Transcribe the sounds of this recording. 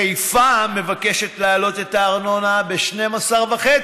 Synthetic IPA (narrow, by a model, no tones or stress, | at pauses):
ejfame̞vake̞ʃetlaːlo̞te̞taːʁno̞nabeʃne̞masaʁvaχet͡s